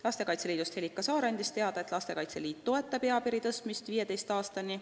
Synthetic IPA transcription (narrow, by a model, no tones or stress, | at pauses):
lɑst̪e̞kɑjt̪se̞liːd̪ust̪helːikːˑɑsɑːɾɑnʲd̪ist̪e̞ɑd̪̥ɑe̞t̪lɑst̪e̞kɑjt̪se̞̰liːt̪ːo̞e̞t̪ːˑɑbeɑpiɾit̪ɤst̪mist̪viːje̞t̪e̞jst̪ɑːst̪ɑni